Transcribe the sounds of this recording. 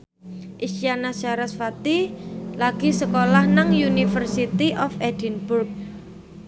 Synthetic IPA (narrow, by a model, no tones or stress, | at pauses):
ʔiʃjanasaɾasfat̪ilaɡ̥i̤səkolahnaŋjunifərsit̪iʔɔfɛd̥inburk̚